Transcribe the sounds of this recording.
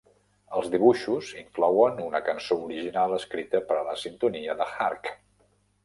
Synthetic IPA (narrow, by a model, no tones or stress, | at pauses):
əlˠzðiβ̞uʃuziŋklɔwənunəkənsouɾiʒinalˠəskɾit̪əpəɾələsint̪uniəðəxark